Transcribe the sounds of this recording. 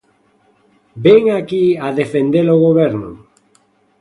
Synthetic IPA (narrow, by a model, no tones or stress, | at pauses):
beŋakiaðefend̪eloɣoβeɾno̰